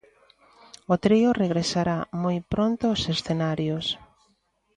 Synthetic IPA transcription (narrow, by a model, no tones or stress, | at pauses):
ʊt̪ɾiʊreɣ̞ɾesaɾamojpɾont̪ʊːsesθenaɾjos